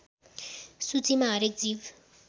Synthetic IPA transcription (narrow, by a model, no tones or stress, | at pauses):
sut͡simaːɾek̚d͡ziʋ